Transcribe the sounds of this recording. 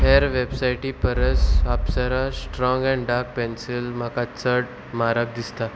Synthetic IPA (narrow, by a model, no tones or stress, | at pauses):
ɦeɾʋebsajʈiːpəɾəsapsaɾasʈɾɔ̃ŋɡɛ̃ɳɖaɾk̚pensilmakat͡səʈ̚ | maɾak̚d̪ist̪a